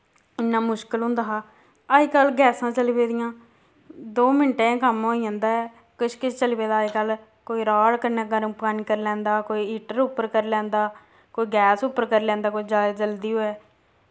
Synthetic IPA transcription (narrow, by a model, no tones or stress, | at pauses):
ɪnːãːmʊʃkəlɦʊ̃ːnd̪aːɦaː | aikəlɡɛːsãːt͡ʃəliːʋeːd̪ɪjãː | d̪oːmɪɳʈeãːkəmɦoːiãːnd̪aːɛː | kɪt͡ʃʰkɪt͡ʃʰt͡ʃəlibeːd̪aːikəl | koːiːɾaːɽkəɾneːkəɾə̃pkaːnikəɾlɛ̃ːnd̪aːkoːiːiːʈəɾʊpːəɾkəɾlɛ̃ːnd̪aː | koːiːɡɛːsʊpːəɾkəɾlɛ̃ːnd̪aːkoːid͡ʒaːd͡ʒəld̪iːoːɛː